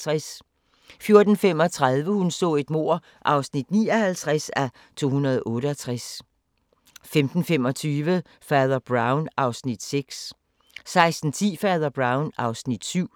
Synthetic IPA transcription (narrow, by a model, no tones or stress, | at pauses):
ʁɛs | fjo̝ɐd̥n̩fem̰ɒ̽t͡sʰʁɑð̞ˠʋəhunsɔ̰̽ːe̝d̥mo̝ɐ̰ | ʔɑ̈ʊsnid̥nḭːɒ̽hælt͡sʰʁasæ | t͡sʰo̝̰ːhunɐðˠʔɔ̽ːɾəɒt͡sʰʁas | femd̥n̩femɒ̽t͡sʰyːʋə | fɛːðˠɐb̥ʁɑ̈ʊnʔɑ̈ʊsnid̥seɡ̥s | sɑ̈ɪsd̥n̩t͡sʰḭːfɛːðˠɐb̥ʁɑ̈ʊnɑ̈ʊsnid̥syʊ̰